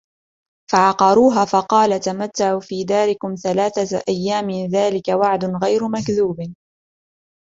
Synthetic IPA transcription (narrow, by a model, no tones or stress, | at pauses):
faʕɑqɑɾuːɦaːfɑqɑːlat̪amat̪ːaʕuːfiːd̪aːɾɪkʊmθalaːθaʔajːaːmɪðaːlɪkawaʕd̪ʊnɣajɾʊmakðuːb